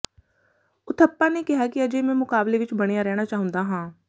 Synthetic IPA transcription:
ʊt̪ʰəpːãːneːkɪɦaːkɪəd͡ʒeːmɛ̃ːmʊkaːbleːʋɪt͡ʃbəɽ̃eːaːɾɛːɽ̃aːt͡ʃaːɦʊ̃nd̪aːɦãː

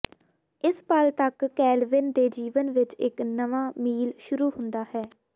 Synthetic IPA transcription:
ɪspəlt̪əkːɛːlʋɪnd̪eːd͡ʒiːʋənʋɪt͡ʃɪknəʋãːmiːlʃʊɾuːhʊ̃nd̪aːhɛː

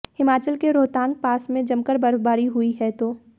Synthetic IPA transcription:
hɪmaːt͡ʃəlkeɾoːt̪ãːŋɡ̚paːsmẽd͡ʒɐmkəɾbɐɾbaːɾiɦʊiɦɛt̪oː

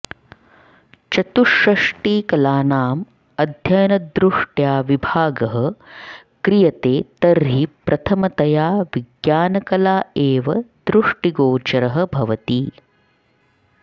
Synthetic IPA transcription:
t͡ʃɐt̪uʃɾɐʂʈiːkɐlaːnaːm | ɐd̪ʱjɐjɐnɐd̪ɾuʂʈjaːʋibʱaːɡɐɦɐ | kɾijɐt̪eːt̪ɐɾɦipɾʔɐt̪ʰɐmɐt̪ɐjaːʋiɡjaːnɐkɐlaːeːʋɐd̪ɾuʂʈiɡoːt͡ʃɐɾɐɦɐbʱɐʋɐt̪i

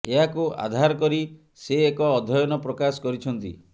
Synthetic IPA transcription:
eɦakua̰d̪ʱaɾɔkɔɾi | seekɔːd̪ʱɔjɔnɔpɾɔkasɔ̥kɔɾit͡ʃʰɔnt̪ḭ

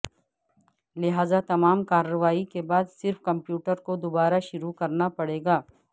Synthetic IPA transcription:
lɪɦaːzat̪ɐmaːmkaːɾəʋaːikebaːd̪sɪɾfkɐ̃mpjuːʈəɾkod̪ʊbaːɾaʃʊɾukɐɾnapɐɽeːɡaː

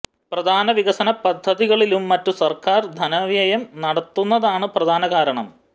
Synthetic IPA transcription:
prɐd̪ʱaːnɐʋiɣɐsɐnɐpɐd̪ʱːɐðiɣɐɭilumːɐtːusɐrkaːrd̪ʱɐnɐʋjɐjɐmnɐɽɐt̪ːunːɐðaːɳɨprɐd̪ʱaːnɐɣaːɾɐɳɐ̰m

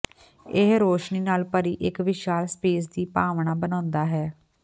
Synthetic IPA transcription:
ɪɦɾoːʃniːnaːlpəɾiːʔɪkʋɪʃaːlspeːs̬d̪iːpaːʋɳaːbənãːnd̪aːɦɛː

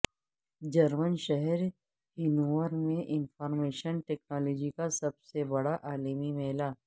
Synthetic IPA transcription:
d͡ʒɐɾmənʃɛɦɛɾ | ɦɪnuʋəɾmẽʔɪnfɔːɾmeːʃənʈeːk̚naːlɔːd͡ʒikasɐbsebɐɽaʔaːlimimɛːlaː

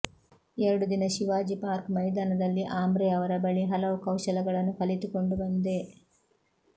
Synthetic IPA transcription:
eɾɐɽud̪inɐʃiʋaːd͡ʒipaːɾkmɐjd̪aːnɐd̪ɐlːiʔaːmbɾɛjɐʋɐɾɐbɐɭiɦɐlɐʋukɐwʃɐlɐɡɐɭɐnːukɐlit̪ukoɳɖubɐnd̪e

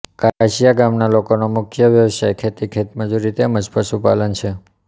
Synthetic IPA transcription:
kaaʃijaɡamnalokonomʊkʰjəʋjəʋsajkʰet̪ikʰet̪məd͡ʒuɾit̪eməd͡ʒpəsupalənt͡ʃʰe

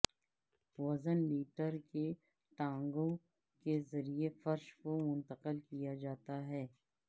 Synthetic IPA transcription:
ʋɐzənliːʈəɾke | ʈãːŋɡõ | kezɐɾiefɐɾʃkomʊ̃nt̪əqəlkijad͡ʒaːt̪aɦɛː

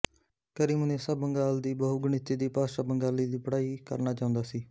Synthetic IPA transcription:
kəɾiːmʊneːsəbːəŋɡaːld̪iːbəɦuɡʊɳ̃ɪt̪eːd̪iːpaːʃaːbəŋɡaːliːd̪iːpəɽaːiːkə̰ɾnaːt͡ʃaːʊ̃nd̪aːsiː

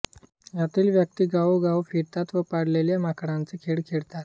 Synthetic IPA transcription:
jat̪iːlʋjək̚t̪iːɡaʋwɡawfiɾt̪at̪ʋəpaɽleljamakɽãnt͡sekʰeɽkʰeɽt̪at̪

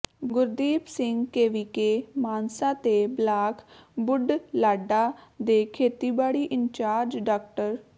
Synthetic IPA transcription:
ɡʊɾd̪iːpsɪŋɡkeːʋikeːmaːnsaːt̪eːblaːkbʊɖlaːɖaːd̪eːkʰeːt̪iːbaːɽiːʔɪɲt͡ʃaːɾd͡ʒɖaːkʈəɾ

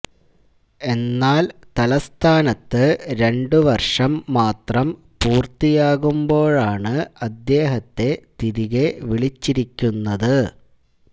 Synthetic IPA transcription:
e̞nːaːlt̪ɐlɐst̪ʰaːnɐt̪ːɨɾe̞ɳɖɨʋɐrʂɐmːaːt̪rɐm | puːrt̪ijaːɣumbo̞ːɭaːɳɨɐd̪je̞ːɦɐt̪ːe̞t̪iɾiɣeʋiɭit͡ɕːiɾikʲːunːɐðɨ

